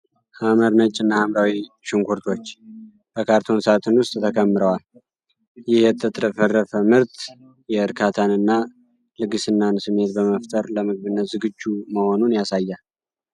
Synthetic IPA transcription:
haməɾnət͡ʃʼːɨnːahamɾawi | ʃɪŋkʰʷuɾt̪ʰo̞t͡ʃː | b̥əkʰaɾt̪ʰo̞nsat̪ʰɨnwʊst̪ʼt̪ʰəkʰəmːɨɾəwal | jɪhjɛt̪ʰːət̪ʰʼdəfərːəfəmɨɾt̪ | jɛɨɾkʰat̪ʰanɨnːa | lɨɡɨsɨnːansɨmːe̞t̪̚bəməft̪ʰʼəɾləmɨɡ̚βɨnːət̪zɨɡɨd͡ʒːuməho̞nunjasajːa

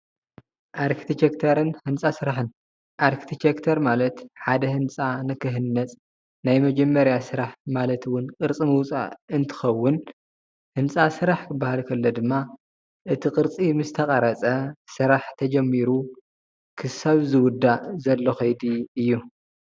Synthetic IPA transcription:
ʔaɾkʰi̥t̪it͡ʃekt̪ʰɐɾɨnhɨnt͡sʼasɨɾaħɨn | ʔaɾkʰi̥t̪ʰit͡ʃekt̪ʰɐɾmalɐt̪ħad̪ɐhɨnt͡sʼanɨkɨɦɨnːɐt͡sʼ | najmɐd͡ʒɐmːɐɾjasɨɾaħmalɐt̪ʰwʊnkʼɨɾt͡sʼɨmɨwʊt͡sʼa̰ɨnt̪ʰɨ̥xɐwːʊn | hɨnt͡sʼasɨɾaħkʰɨbːahalkʰɐlːod̪ɨmːa | ʔɨt̪ʰikʼɨɾt͡sʼimɨst̪ʰɐkʼɐɾɐt͡sʼɐsɨɾaħt̪ʰɐd͡ʒɐmːiɾu | kʰɨsaβzɨwʊd̪ːazɐlːoxɐjd̪iɨjːu

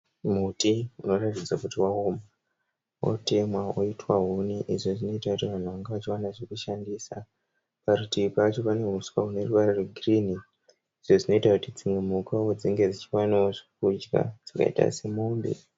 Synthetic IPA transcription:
mutiuno̞ratid͡zwakutiwaoma | wo̰te̞mwaoitwaɦuniʔiʐoʐino̞itakutiʋan̤uʋaŋɡeʋat͡ʃiwanaʐekuʃandiːsa | paɾutipat͡ʃo̞pane̞ɦuswaune̞ruwarareɡʱrini | iʐoʐino̞itakutid͡zimwemukaod͡ziŋɡe̞d͡zit͡ʃiwanaoʐikud͡ʒɡa̰d͡z̥aka̰ḭta̰se̞moːmbḛ

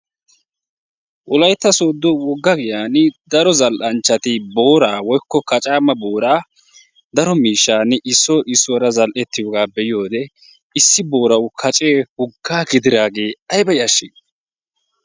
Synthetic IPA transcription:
ʔʊlɐjt̪ːɐsoːd̪ːɔwɔɡːɐɡɪjaːnd̪ɐɾɔzɐlʔɐnt͡ʃːɐt̪ɪbo̞ːɾaːwɔjkːɔkɐt͡ʃʼaːmɐbo̞ːɾaː | d̪ɐɾɔmiːʃːaːnɪʔɪsːɔʔɪsːɔɾɐzɐlʔɛt̪ːɪjoɡaːbɛjɪjo̞ːd̪ɛ | ɪsːɪbo̞ːɾɐwʊkʰɐt͡ʃʼe̞ːhʊɡːaːɡɪd̪ɪɾaːɡe̞ːɐjbɐjɐʃːɪ

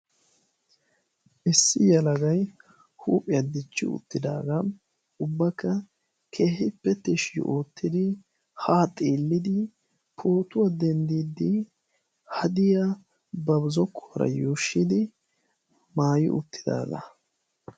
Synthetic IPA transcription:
ʔɪsːɪjɐlɐɡɐj | huːpʼɪjɐd̪ɪt͡ʃːɪ̰ʊ̰t̪ːɪd̪aːɡɐ | ʊbːɐkʰːɐ | kʰe̞ːhɪpːɛt̪ɛʃj̰ʔoːt̪ːɪd̪ɪ | haːt̪ʼiːlːɪd̪ɪ | pʰo̞ːt̪ʊwad̪ɛnd̪iːd̪ɪ | hɐd̪ɪja | bɐbzɔkʰːɔɐɾɐ̰juːʃːɪd̪ɪ | maːjɪ̰ʔʊt̪ːɪ̥d̪a̰ːɡɐ̰

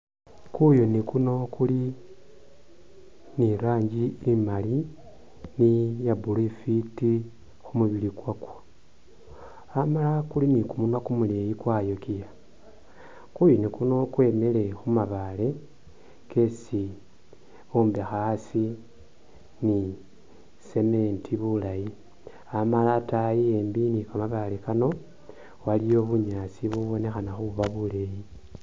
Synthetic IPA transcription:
kujonikuno̞kuli | niɾaːɲɟiimali | nijabulifiti | xumuβilikwakwo̥ | amalakulinikumunakumulejikwajokija | kujonikuno̞kwe̞mele̞xumaβale̞ | ke̞si | umbexasi | ni | se̞me̞ntʰiβulaji | amalatajieːmbinikamaβalekano̞ | walio̞βuɲaːt͡siβuβo̞ne̞xanaxuuβaβule̞ji

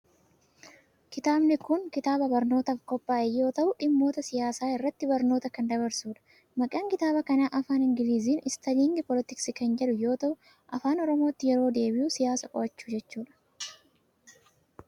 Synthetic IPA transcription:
kɪt̪aːbnɪkʊŋkɪt̪aːbɐbɐɾno̞ːt̪ɐfkɔpːaːʔɛjːo̞ːt̪ɐʔʊᶑɪmːo̞ːt̪ɐsɪjaːsaːɪrːɐt̪ːɪbɐɾno̞ːt̪ɐkɐnd̪ɐβɐɾsuːᶑɐ̥ | mɐkʼɐːŋkɪt̪aːbɐkɐnaːʔɐfaːnɪŋɡɪliːziːnɪst̪ɐliːŋɡɪpɔlɪt̪ɪksɪkɐnd͡ʒɛlʊjo̞ːt̪ɐʔʊ | ʔɐfaːnɔɾɔmoːt̪ːɪjɛɾo̞ːd̪e̞ːbɪjʊsɪjaːsɐkʼɔ̰ʔɐt͡ʃːuːd͡ʒɛt͡ʃːuːᶑɐ̥

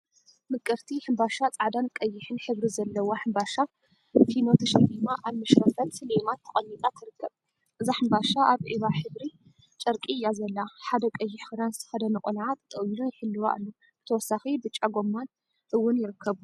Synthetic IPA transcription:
mɨkʼːɨɾt̪ʰiħɨmbaʃat͡sʼaʕd̪ankʼɐjːɪħɨnħɨβɾizɐlːɐwoħɨmbaʃa | finot̪ʰɐʃɐfimaʔaβmɨʃɾɐfɐlsɨlemat̪ʰːɐχʼɐnːit̪ʼat̪ʰɨɾɨkʰːɐβ | ʔɨzaħɨmbaʃaʔaβʕiβaħɨβɾi | t͡ʃʼɐɾkʼijːazɐlːaħad̪ɐkʼɐjːɪħxɨd̪anzɨt̪ʰɐ̥xɐd̪ɐnɨkʼonʕat̪ʰt̪ʼɐjilujɪħɨlːɨwa̰ʔɨlːo | bɨ̥t̪ʰɐwɔsːaxibɨt͡ʃʼːaɡo̞mːan | ʔɨwːʊnjɪɾɨkʰːɐβu

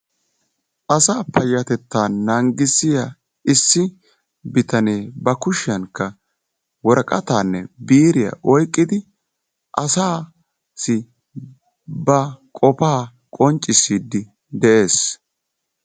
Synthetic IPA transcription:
ʔɐsaːpɐjːɐt̪ɛt̪ːaːɐŋɡɪsɪjaː | ɪsːɪ | bɪt̪ɐneːbɐkʊʃɪjɐnkːɐ | wɔɾkʼɐt̪aːnːɛ̰biːɾɪjɐ̰ʔɔjkʼːɪd̪ɪ | ʔɐsaː | sɪ | bɐkʼɔpaː | kʼɔnt͡ʃʼːɪsiːd̪ːɪ | d̪ɛʔe̞ːs

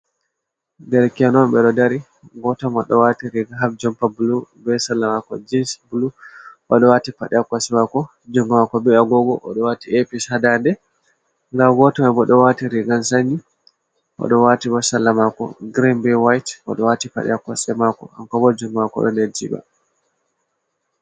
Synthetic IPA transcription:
dɛɾkɛnɔnɓɛɗɔdaɾi | ɡɔtɔmaɗɔwatiɾiɡaɦabd͡ʒɔmpabulubɛsalːamakɔ̰d͡ʒinsbuluʔaɗɔwatipaɗɛakːasɛmakɔ | d͡ʒuŋɡmakɔbɛaɡɔɡɔʔɔɗɔwatiʔepishadandɛ | ŋɡaɡɔtɔmɛbɔɗɔwatiɾiɡansaɲːi | ʔɔ̰ɗɔwatibɔsalːamakɔ̰ɡɾimbɛwajtʔɔ̰ɗɔwatipa̰ɗɛ̰akːɔsɛmakɔ̰ha̰mkɔbɔd͡ʒuŋɡmakɔ̰ɗɔ̰ned͡ʒḭba̰

